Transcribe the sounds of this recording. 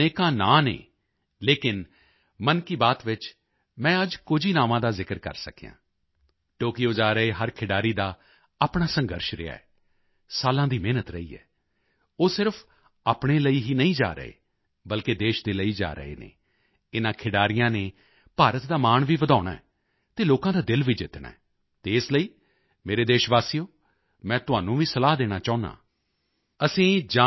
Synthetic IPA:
neːkãːna̰ːnḛː | leːkɪn | mənkiːbaːt̪ʋɪt͡ʃ | mɛ̃ːəd͡ʒkʊd͡ʒʱiːnaːʋãːd̪aːzɪkəɾkə̰ɾsə̰kijã̰ː | ʈoːkijoːd͡ʒaːɾəeːɦəɾkʰɪɖaːɾiːd̪aː | aːpɳaːsəŋɡəɾʃɾɪ̰a̰ːɛː | saːlãːd̪iːmeːnət̪ɾəḭːɛ̰ː | oːsɪɾpʰ | aːpɽ̃eːləiːɦiːnəĩːd͡ʒa̰ːɾə̰ɦḛː | bəlkeːd̪eːʃd̪eːləiːd͡ʒa̰ːɾə̰ḛːnḛː | ɪnãːkʰɪɖaːɾɪjãːneː | paːɾət̪d̪aːmaːɳʋiːʋəd̪aːʊɽ̃a̰ːɛː | t̪eːloːkãːd̪aːd̪ɪlʋiːd͡ʒɪt̪ɳã̰ːɛː | t̪eːɪsləiː | meːɾeːd̪eːʃʋaːsiːjoː | mɛ̃ːt̪ʊaːnũːʋiːsəlaːɦd̪eːɽ̃aːt͡ʃaːʊnã̰ː | əsĩːd͡ʒaː

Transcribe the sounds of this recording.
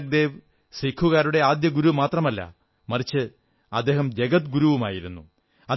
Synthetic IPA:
k̚d̪e̞ːʋ | sikʰːuɣaːɾuɽe̞aːd̪jɐɡuɾumaːt̪rɐmɐlːɐ̰ | mɐrit͡ɕːɨ | ɐd̪ːe̞ːɦɐmd͡ʑeɡɐt̪ɡuɾuʋuma̰ːjiɾunːu | ɐ

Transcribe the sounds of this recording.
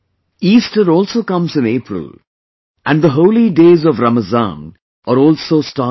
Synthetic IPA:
iːsʈəɾɔːlsoːkʌ̃mzɪ̃neːpɾə̰l | ʔæ̃ɳɖd̪əɦoʊliɖeːzɔʋɾaməzã̰ːn | ʔəːɾɔːlsoːsʈaː

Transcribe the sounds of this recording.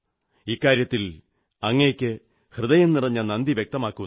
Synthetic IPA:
iːkːaːɾjɐt̪ːil | ɐŋːɐkʲːɨ | hrɨd̪ɐjɐnnirɐɲːɐnɐnd̪iʋjek̚t̪ɐmaːkːu

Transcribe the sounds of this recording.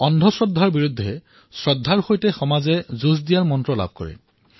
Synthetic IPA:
ɔndʱɔsɹɔdʱːaɹbiɹudʱːɛ | sɹɔdʱːaɹxojtɛxɔmazɛzuzdijaɹmɔntɹɔla̰b̚ʱkɔ̰ɹɛ̰

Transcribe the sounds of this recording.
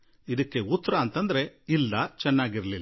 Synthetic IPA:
id̪ɐkːe̞ut̪ːɐɾɐːnt̪ɐnd̪ɐɾe̞ilːɐt͡ʃɛnːaːɡiɾɐlilː

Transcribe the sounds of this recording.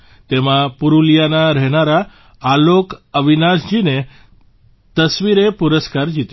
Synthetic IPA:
t̪emãpuɾuljanaɾɛɦnaɾa | alokəʋinasd͡ʒine | t̪əsʋiɾepuɾəskaɾd͡ʒit̪

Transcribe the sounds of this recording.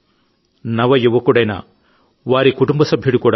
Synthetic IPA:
nɐʋɐjiʋːɐkuɽɐjna̰ | ʋaːɾikuʈumbɐsɐbʱjuɽukuːɽa

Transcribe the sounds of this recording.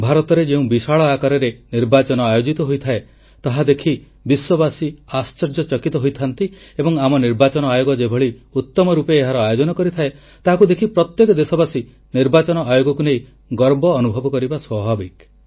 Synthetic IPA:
bʱaɾɔt̪ɔɾed͡ʒeũbiʃaɭɔakaɾɔɾeniɾbat͡ʃɔnɔajod͡ʒit̪ɔɦojt̪ʰae | t̪aɦad̪ekʰi | biswɔbasiast͡ʃɔɾd͡ʒɔt͡ʃɔkit̪ɔɦojt̪ʰant̪i | ebɔŋamɔniɾbat͡ʃɔnɔajoɡɔd͡ʒebʱɔɭiut̪ːɔmɔɾupeːɦaɾɔajod͡ʒɔnɔkɔɾit̪ʰae | t̪aɦakud̪ekʰipɾɔt̪jekɔd̪esɔbasi | niɾbat͡ʃɔnɔʔajoɡɔkunej | ɡɔɾbɔːnubʱɔbɔkɔɾibaswɔbʱabik

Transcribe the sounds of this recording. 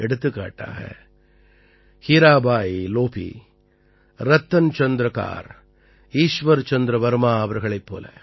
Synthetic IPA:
ɛɽɯt̪ːɯkːa̰ːʈːa̰ːɣɐ̰ | hiɾaːbaːjiloːpḭ | ɾɐt̪ːɐnt͡ʃɐnd̪ɾɐka̰ːɾ | iːʂʋɐɾt͡ʃɐnd̪ɾɐʋɐɾmaːɐʋɐɾɣɐɭɐɪpːo̰ːlɐ̰

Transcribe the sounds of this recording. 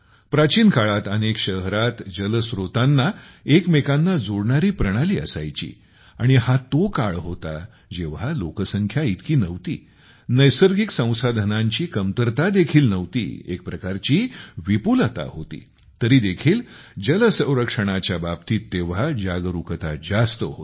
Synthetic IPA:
pɾat͡ɕiːnkaɭat̪ənekɕəɦɾat̪d͡ʑələsɾot̪anːa | ekmekanːad͡zoɽɳaɾiːpɾəɽ̃aliːə̰sa̰jt͡ɕḭː | a̰ɽ̃iɦat̪okaɭɦot̪a̰ | d͡ʑeʋ̤alokəsəŋkʰjait̪kiːnəʋt̪ḭː | nəjsəɾɡiksə̃w̃sad̪ʱənaɲt͡ɕiːkəmt̪əɾt̪ad̪ekʰiːlnəʋt̪ḭːḛk̚pɾəkaɾt͡ɕiːʋipulət̪a̰ɦot̪ḭː | t̪əɾiːd̪ekʰiːl | d͡ʑələsə̃w̃ɾəkʂəɽ̃at͡ɕjabab̚t̪iːt̪ːeʋ̤ad͡ʑaɡɾukət̪ad͡zast̪əɦo̰t̪

